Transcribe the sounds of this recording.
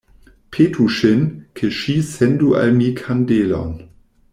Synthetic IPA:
pʰeːtʰuʃɪnkʰeʃiːsɛnduʔa̰lmiːkʰandeːlɔ̰n

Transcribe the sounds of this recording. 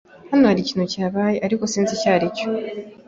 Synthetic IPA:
hanohaɾiciːnuciaːβaːjeʔaɾiko̞siːnzicaːɾico

